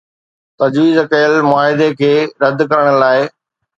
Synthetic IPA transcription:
t̪ɐd͡ʑʋiːzkɐjəlmʊaːɦɪd̪ekʰeːɾɐd̪kɐɾəɽ̃ə̆laːɪ

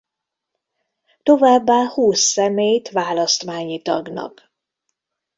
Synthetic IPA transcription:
t̪o̞vaːbːaːhuːsːɛmeːjt̪ʋaːlɒst̪maːɲit̪ɒ̰ɡnɒ̰k

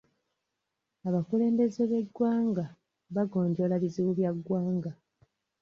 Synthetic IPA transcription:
aβakule̞ːmbe̞zeβe̞ɡwaːŋɡa | βaɡo̞ːɲɟo̞laβiziβuβjaɡːwaːŋɡa

